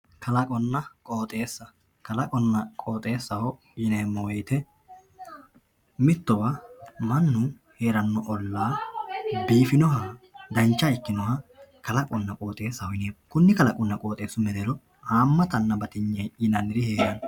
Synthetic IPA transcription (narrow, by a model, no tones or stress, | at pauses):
kɐlɐkʼɔnːɐkʼoːt̪ʼe̞ːsːɐ | kɐlɐkʼɔnːɐkʼo̞ːt̪ʼe̞ːsːɐhɔ | ɪneːmːɔwɔjt̪ɛ | mɪt̪ːɔwɐmɐnːʊ | he̞ːɾɐnːɔʔɔlːaː | biːfɪnɔɦɐd̪ɐnt͡ʃːɐɪkːɪnɔhɐkɐlɐkʼɔnːɐkʼoːt̪ʼe̞ːsːɐɔjɪneːkʊnːɪkɐlɐkʼʊnːɐkʼo̞ːt̪ʼeːsːʊmɛd̪ɛlɔ | haːmːɐt̪ɐnːɐbɐt̪ɪɲːɐjɪnɐnɪɾɪhe̞ːɾɐn